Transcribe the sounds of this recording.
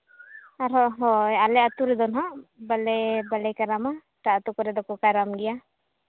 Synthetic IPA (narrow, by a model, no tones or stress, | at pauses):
aɾɔɦɔjalɛat̪uɾɛd̪ɔnɦɔbalɛbalɛkaɾama | taat̪ukɔɾɛd̪ɔkɔkaɾamɡija